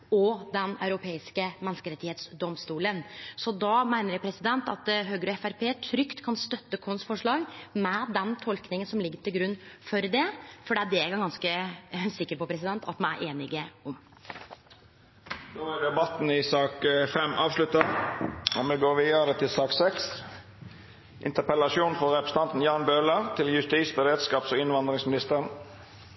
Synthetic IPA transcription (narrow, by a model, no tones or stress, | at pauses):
ɔd̪ɛnɑʉɾʊpʰeːɪskəmɛnskəɾɛt̪ːɪheːt̪sd̪ɔmst̪uːlənsɔd̪ɑmæɪnəɾjæpʰɾɛsɪd̪ɛnt̪ɑ̰t̪ɦøːɡəɾɔɛfæɾpeːt̪ʰɾʏkt̪kʰɑnst̪œt̪ːəkʰɔnsfɔʂɭɑːɡmɛd̪ɛnt̪ʰɔlknɪŋənsɔmlɪɡːəʈʰɪlɡɾʉnːfɔɾd̪ɛfɔɖɛd̪ɛæɡɑɡɑnskəsɪkːəɾpɔpʰɾɛsɪd̪ɛnt̪ʰɑ̰t̪mɛnæ̰ɾʔeːnɪɡəɔm | d̪̥oːæɖ̪ɛbɑt̪n̩ɪsɑːkfɛmʔɑːʋslʉt̪ɑ | ɔmɛɡoːʋiːəɾət̪ʰɪlsɑːksɛks | ʔɪ̰nt̪əpɛlɑʃuːnfɔʁɛpɾəsəɑnt̪n̩jɑːnbøːləʁt̪ʰɪljʉst̪iːsbɛɾeːd̪skɑːpsɔɪnʋɑnd̪ɾɪŋsmɪnɪst̪əʁən